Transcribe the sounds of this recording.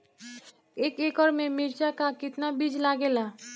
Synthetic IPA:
ekeɡɔɾmemiɾt͡ʃakakit̪nabid͡ʑlaɡela

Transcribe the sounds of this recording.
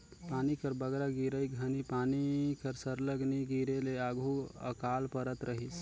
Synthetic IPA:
panikəɾbəɡɾaɡiɾəjɡʱənipanikəɾsəɾləɡniɡiɾeleaɡʱuə̰kalpəɾət̪ɾəɦis

